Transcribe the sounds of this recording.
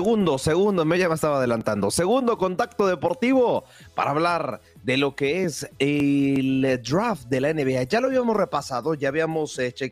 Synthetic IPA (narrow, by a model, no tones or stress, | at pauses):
eɣund̪o̞se̞ɣund̪omeʝamest̪aβaðe̞lant̪and̪o̞se̞ɣund̪o̞ko̞nt̪ak̚t̪o̞ðe̞po̞ɾt̪iβo̞ | pa̰ɾaːβlaɾ | d̪e̞lo̞ke̞eseld̪ɾafd̪e̞laeneβeaʝaloaβiamosre̞pasaðo̞ʝaːβiamo̞set͡ʃe